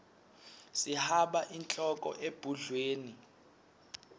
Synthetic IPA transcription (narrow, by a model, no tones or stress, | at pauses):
sihaɓaʔint͡ɬʼɔkʼɔ̰ʔeb̥ʱuɮweːni